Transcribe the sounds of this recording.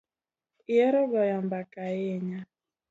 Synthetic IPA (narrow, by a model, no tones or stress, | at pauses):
iɛɾɔɡɔjambakajɛɲa